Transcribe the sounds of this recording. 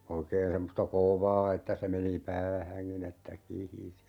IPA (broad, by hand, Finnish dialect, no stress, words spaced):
oikeːn semːostɑ koˑʋɑː etːæ se meni pæːhæŋkin etːæ kihisi